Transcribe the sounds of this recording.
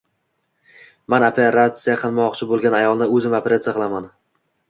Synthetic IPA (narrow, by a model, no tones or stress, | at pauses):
manopʰeɾat̪sɨjaqʰɨlˠmɒqt͡ʃʰɪbolˠɡʲanajɒlˠnɪɵzɪmapʰʲeɾʲat̪sɪjaqʰɨlˠaman